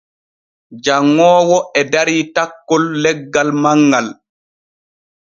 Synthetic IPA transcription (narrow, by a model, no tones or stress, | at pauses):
d͡ʒaŋːɔːwɔɛdaɾitakːɔlːɛɡːalmaŋːal